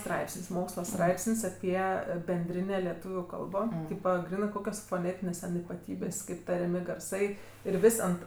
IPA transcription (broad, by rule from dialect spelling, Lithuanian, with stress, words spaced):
ˈstrɐɪpʲsʲɪnʲsʲ ˈmoːkslˠɐ ˈstrɐɪpʲsʲɪnʲsʲ ˈɑːpʲiɛ bʲɛnʲˈdʲrʲɪnʲeː lʲɛˈtuːʋʲʊ ˈkɐlˠboː ˈtʲiːpɐ ˈɡrʲiːnɜ ˈkoːkʲoːs foːˈnʲeːtʲɪnʲeːs tʲɛn ɪpɐˈtʲiːbʲeːsʲ ˈkɐɪp tɐrʲɛˈmʲɪ ɡɐrˈsɐɪ ɪr ˈʋʲɪsʲ ɐnt